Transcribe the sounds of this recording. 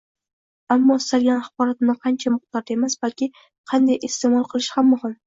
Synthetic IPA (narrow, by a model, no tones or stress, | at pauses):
amːɒst̪alɡʲanχqɒɾat̪nɪqʰɑnt͡ʃʰamʊχt̪ɒɾd̪e̞masbalkʲɪ | qʰɑnd̪ajʔɪst̪e̞mɒlˠqʰɨlˠɪʃhamːʊhɪm